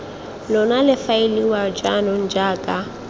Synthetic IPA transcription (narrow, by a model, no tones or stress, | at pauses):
lɔnalɪfaɪliwad͡ʒanɔn̩d͡ʒaːkʼa